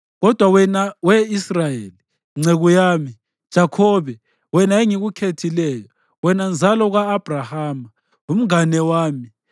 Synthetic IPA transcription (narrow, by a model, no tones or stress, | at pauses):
ɣɔd̥ʱwawɛnawɛisrajeːli | ŋ͡ǀʱeɣujaːmi | d̥ʒ̥ʱakʰɔːβɛ | wɛnaeŋiɣukʰetʰilɛːjɔ | wɛnand͡zʱalɔɣaːb̥ʱrahaːma | um̩anɛwaːmi